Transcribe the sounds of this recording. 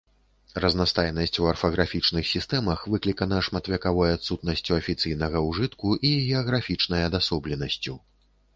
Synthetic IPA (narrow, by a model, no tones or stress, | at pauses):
rɐznast̪ajnɐsʲt͡sʲuɐrfɐɣɾafʲit͡ʂnɨxsʲist̪ɛmɐxvɨklʲikɐnɐʂmɐt̪vʲɐkavɔjat̪sut̪̚nɐsʲt͡sʲuɐfʲit̪sɨjnɐɣɐwʐɨt̪kuʔiɣʲɛɐɣɾafʲit͡ʂnɐjɐd̪asɔblʲɛnɐsʲt͡sʲu